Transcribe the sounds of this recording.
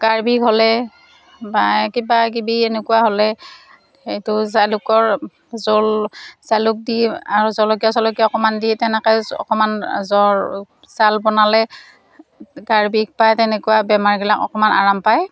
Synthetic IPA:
kaɹbikɦɔlɛ | bakibakibienekuwaɦɔlɛ | xejtʊsalʊkɔɹ | zolsalʊk̚diaɹuzɔlɔkijasɔlɔkiaɔkɔmanditɛnɛkajɔ̰kɔmanzɔɹ | salbɔnalɛ | ɡaɹbik̚pajtɛnekuwabɛmaɹɡilakɔ̰kɔmanʔa̰ɹampaj

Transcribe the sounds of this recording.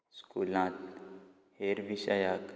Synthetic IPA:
skuːlãːt̪ | heːɾʋiʃajaːk

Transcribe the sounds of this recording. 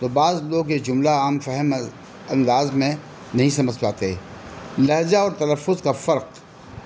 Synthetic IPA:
t̪oːbaːzloːɡjed͡ʒʊmlaaːmfɛɦəm | ɐ̃nd̪aːzmẽ | nɐɦĩsɐməd͡ʒpaːt̪e | lɐɦd͡ʒaɔːɾt̪ɐləfːʊzkafɐɾq

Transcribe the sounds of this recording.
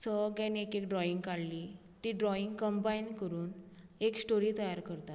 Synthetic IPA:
səɡãniekekɖɾɔiŋɡkaɽli | t̪iɖɾɔiŋɡkəmbainkəɾuːneksʈoɾiːt̪əjaɾkəɾt̪at̪

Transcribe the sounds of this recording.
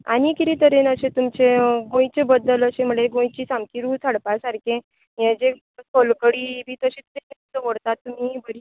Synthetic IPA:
a̰ñikiɾit̪əɾenəɕet̪umt͡ɕeɡõjt͡sebəd̪ːələɕem̤əɭeɡõjt͡ɕiːsamkʰiɾuːt͡sʰaɽpasaɾkʰẽ | jẽd͡ʑe | kʰolkəɽiːbiːt̪əɕit̪əɾenesəʋəɽt̪at̪ːum̤ibəɾi

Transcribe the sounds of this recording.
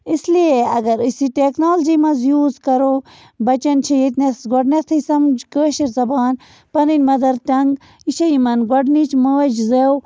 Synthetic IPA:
islieɐɡɐɾisiʈeknoːlɐd͡ʒimɐzjuːzkɐɾo | bɐt͡ʃɐnt͡ʃʰijet̪nesɡɔɖnest̪ʰɐsɐmd͡ʒkəːʃiɾzɐbaːn | pɐninʲmɐd̪ɐɾt̪ɐŋɡ | iʃɐjimɐnɡoɖnit͡ʃʰmɐʋɐd͡ʒzew

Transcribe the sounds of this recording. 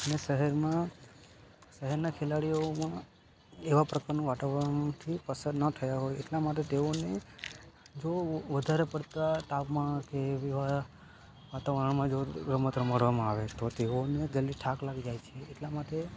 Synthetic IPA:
ənesəɦɛɾmã | səɦɛɾnakʰelaɽijomã | eʋapɾəkaɾnũʋaʈəʋat̪ʰipəsənət̪ʰəjaɦojeʈlamaʈ̬et̪eone | d͡ʒoʋəd̪ʱaɾepəɽt̪at̪apmãkeʋiʋa | ʋat̪aʋaɾəɳmãd͡ʒoɡɾəmət̪ɾəməɽʋamãaʋet̪ot̪eoned͡ʒəlːiʈʰaklaɡid͡ʒajt͡ʃʰeːʈlamaʈe

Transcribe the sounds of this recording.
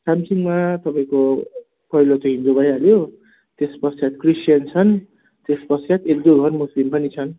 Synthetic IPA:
samsiŋɡmat̪ʌpaĩko | pʌilot̪oɦĩnd̪obʱʌjaljo | t̪espʌsjat̪krisjʌnt͡sʰʌn | t̪espʌsjat̪ek̚d̪oɡʱʌrmuslimpʌnit͡sʰʌn

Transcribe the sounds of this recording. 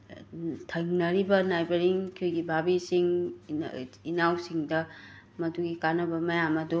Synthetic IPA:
tʰɐŋnɐɾibɐnajbɐɾiŋkʰujɡibʱabisiŋ | inawsiŋdɐ | mɐduɡikanɐbɐmɐjamɐdu

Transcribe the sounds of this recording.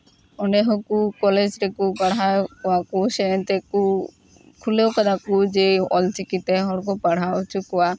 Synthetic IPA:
ɔɳɖɛɦɔkukɔled͡ʒɾɛkupaɽ̤akɔwakusɛnt̪ɛku | kʰulewkad̪akud͡ʒeɔlt͡ʃikit̪ɛɦɔɽk̬ɔpaɽ̤aut͡ʃʰukɔwa

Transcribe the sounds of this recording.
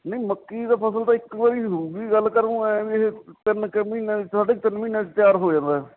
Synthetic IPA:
nəiməkːiːd̪aːpʰəsəlt̪ãːɪkʋaːɾiːɦouɡiːɡəlkəɾnũːʋiɦt̪ənkmiːnãːsaːɖeːt̪ɪnmĩːnãːt͡ʃt̪jaːɾɦoːd͡ʒãːnd̪aːɛ

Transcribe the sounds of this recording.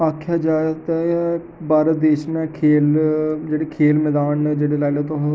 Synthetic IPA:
aːkʰjaːd͡ʒaːt̪ɛː | baːɾəd̪eːʃnɛkʰeːld͡ʒeːɽeːkʰeːlmɛːd̪aːnd͡ʒeːɽeːlaːleːt̪õɦ

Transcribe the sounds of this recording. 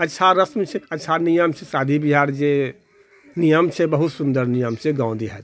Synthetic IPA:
ətːʃʰaɾəsmt͡ʃʰɛətːʃʰanijəmt͡ʃʰɛsad̪ʱibiɦaɾd͡ʒe | nijəmt͡ʃʰɛbəɦut̪sund̪əɾnijəmseɡãw̃nd̪ʱiɦɛ̰t̪

